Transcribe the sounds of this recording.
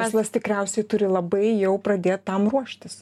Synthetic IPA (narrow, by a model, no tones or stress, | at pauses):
æːzlˠɐst̪ʲɪkɾʲɛʊsʲɛɪt̪ʊɾʲɪlˠɐbɐɪjɛʊpɾɐd̪ʲeːt̪ːɐmɾuɔʃʲt̪ʲɪs